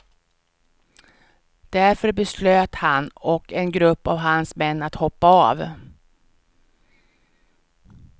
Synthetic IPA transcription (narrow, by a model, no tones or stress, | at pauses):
d̪̥æɾfœɾbɛsløːt̪hanɔkɛnɡɾɵpːavɦansmɛnːat̪hɔpːaa̰v